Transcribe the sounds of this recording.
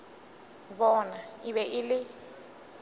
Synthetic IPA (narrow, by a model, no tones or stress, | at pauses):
βɔnaɪβɛʔɪlɪ